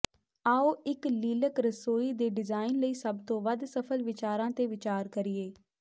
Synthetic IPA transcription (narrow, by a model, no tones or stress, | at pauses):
aːoːʔɪkliːləkɾəsoːiːd̪eːɖɪzaːɪnləiːsəbt̪õːʋəd̪səpʰəlʋɪt͡ʃaːɾãːt̪eːʋɪt͡ʃaːɾkəɾɪjeː